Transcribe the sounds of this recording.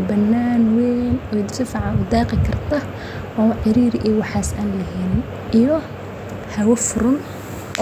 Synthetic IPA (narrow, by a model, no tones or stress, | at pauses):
bɐnːaːnwɛnɔːjd̪ɪsɪfɑʕɑʊd̪aːqɪkʰɐrt̪ʰɐ | ʔɔːʕɪɾiːɾʔijwɑħɑːsʔa̰ːnlɐɦiːn | ʔijɔ | hɐwɐfʊɾʊn